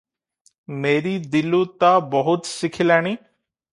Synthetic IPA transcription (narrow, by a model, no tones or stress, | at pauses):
meːɾid̪ɪlũt̪abəɦʊt̪sɪkʰɪlaːɽ̃iː